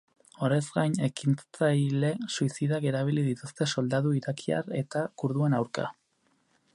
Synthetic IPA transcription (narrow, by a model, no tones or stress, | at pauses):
o̞ɾezɡajne̞kint͡st͡sajle̞suisiðake̞ɾaβ̞ilið̞it̪ust̪e̞so̞ld̪aðuiɾakʰia̰ɾe̞t̪akuɾðue̞nawɾka̰